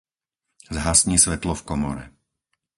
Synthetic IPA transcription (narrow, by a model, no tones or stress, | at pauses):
zɦasɲiːsʋɛt̪lɔfkɔmɔ̰ɾɛ̰